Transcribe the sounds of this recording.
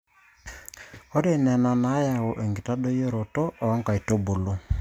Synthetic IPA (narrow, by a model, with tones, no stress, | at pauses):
o˦de˦˨nɛ˨na˨na˨˦ja˨wo˨ʔe˨ŋɡi˨ta˦do˦je˦ɾo˨to˦ʔɔ˨˦ŋka˨i˨to˦bo˨lo˦